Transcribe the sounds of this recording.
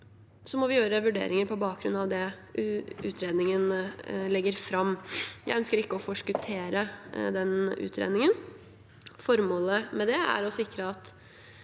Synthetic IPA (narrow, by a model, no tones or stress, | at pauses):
sɔmɔʋɪjøːɾəʋʉɖḛːɾɪŋəɾpʰɔbɑːkɡɾʉnːɑʋd̪ɛ | ʉ̰ːt̪ʰɾeːd̪nɪŋənlɛɡːəɾfɾɑmːjæ̰ɪœnskəɾɪkːəɔfɔʂkʉt̪ʰeːɾəd̪ɛnʉ̰ːt̪ʰɾḛːd̪nɪŋən | fɔɾmoːləmɛd̪ɛæ̰ɾɔsɪkːɾəɑt̪